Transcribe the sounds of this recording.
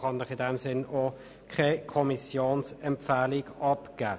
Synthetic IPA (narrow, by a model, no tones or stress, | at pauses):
χɑnəχɪdɛmsɪno | kʰɛkʰɔmisjoːnsɛmpfæːliɡɑpɡ̥æː